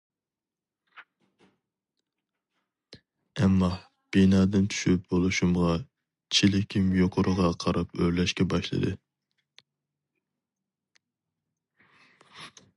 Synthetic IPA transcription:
ɛmːɑ | b̥inɑːd̪ɪnt̪ʰy̥ʃyp̚bolˠuʃumʁɑ | t͡ʃʰilɪkʲʰimjoqʰʊɾʊʁɑqʰɑɾɑpøɾlɛʃkʲɛbɑʃlˠɨ̰d̪ɨ

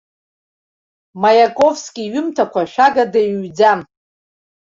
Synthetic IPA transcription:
majakʼo̞vskʲʼiɥʊmtʰakʷʰaʃᶣaɡadeɥɥːd͡zam

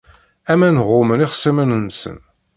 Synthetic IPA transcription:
æmænʁʊməniχəsæmənənsə̰n

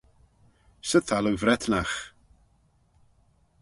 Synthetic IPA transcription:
səθʰaləwvrɛtʰnaχ

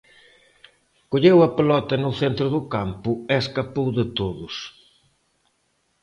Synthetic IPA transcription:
koʎewɐpelɔt̪ɐnʊθent̪ɾʊðʊkampʊeeskapowðɪt̪oðʊs

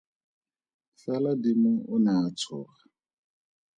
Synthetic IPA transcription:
ɬaladimʊʊnaːt͡sʰʊːχa

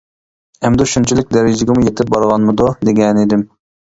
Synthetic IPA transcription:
ɛmd̪uʃunt͡ʃʰilɪk̚ʲd̪ɛɾɪd͡ʒɪɡʲɛmujet̪ʰɪp̚bɑɾʁɑnmɨd̪ud̪eɡʲɛnid̪ɪm

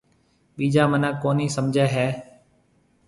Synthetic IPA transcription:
ɓiːd͡ʒaːmənãːkoːniːsəmd͡ʒʱɛːɦɛː

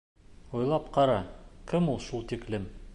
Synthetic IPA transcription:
ujlˠɑpqɑɾɑkɘmulˠʃulˠt̪iklɘm

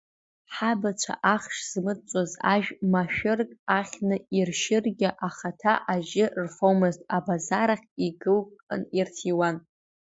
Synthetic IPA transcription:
ħabat͡ʃʷʰa̰ʔaχʂz̥mɨt͡ʃʷʼoza̰ʒᶣmaʃᶣɪrkʼaχʲnɨirʃɪrɡʲɪʔaχatʰaʔaʒɪrfomɨztʼabazaɾaχʲiɡɨlkʼa̰nirtʰiwan

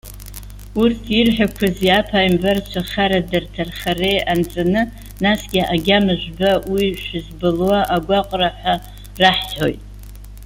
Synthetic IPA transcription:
urtʰirħʷᶣakʷʰazjapʰaːjmbart͡ʃʷʰaχaɾadɨrtʰarχarejant͡sʼanɨ | nasɡʲiʔaɡʲamɨʒʷᶣbawiʃᶣɪzbɨlwaʔaɡʷaqʷʼraħʷᶣa | raħħo̞̰jtʼ

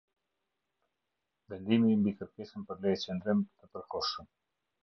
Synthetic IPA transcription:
vɛnd̪imimbikəɾkɛsənpəɾlɛjt͡ɕɛnd̪ɾɛmt̪əpəɾkɔʃəm

